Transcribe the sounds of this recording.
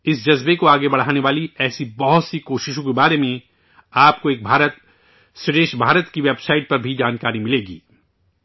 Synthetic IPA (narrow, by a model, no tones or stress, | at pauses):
ɪsd͡ʒɐzbekoaːɡebɐɽ̤aːneʋaːliɛːsibɐɦʊt̪sikoːʃɪʃõkebaːɾemẽ | aːpkoeːk̚bʱaːɾət̪ | sɪɖeːʃbʱaːɾət̪kiʋeːbsaːɪʈ̚pɐɾbʱid͡ʒaːnkaːɾimɪleːɡḭː